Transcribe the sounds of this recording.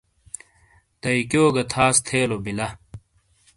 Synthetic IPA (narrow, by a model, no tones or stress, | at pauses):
t̪ɐikjoːɡɐt̪ʰaːst̪ʰeːlobilɐ